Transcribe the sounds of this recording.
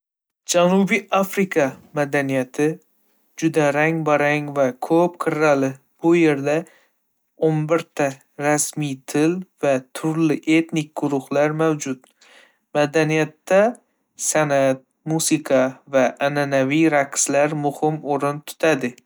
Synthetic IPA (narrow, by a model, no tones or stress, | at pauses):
d͡ʒanubiafɾikʰɑmad̪anijat̪ʰɪ | d͡ʒʊd̪aɾaŋbaɾaŋvakʰɵpqʰɪɾalɪ | b̥ʊje̞ɾd̪a | onbɪɾt̪ʰa | ɾasmit̪ʰɪlvat̪ʰʊɾlɪʔe̞t̪nɪk̚ʲɡʊɾʊhlaɾmawd͡ʒʊt̪ | mad̪anijat̪ːa | sanat̪̚ | musɪqʰɑvaʔːnanavijɾakslaɾmʊhɪmoɾɪnt̪ʰʊ̥t̪ʰad̪ɪ